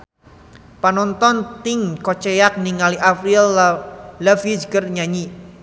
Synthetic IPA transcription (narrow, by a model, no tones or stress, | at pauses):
panɔnt̪ɔnt̪ɪŋkɔt͡ʃɛjak̚niŋaliʔapɾil | ləfid͡ʒkərɲaɲi